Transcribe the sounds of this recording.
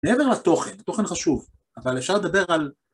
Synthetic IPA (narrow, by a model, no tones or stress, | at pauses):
meeve̞ʁlat̪o̞χent̪o̞χe̞nχaʃuv | avalefʃaʁled̪abe̞ʁal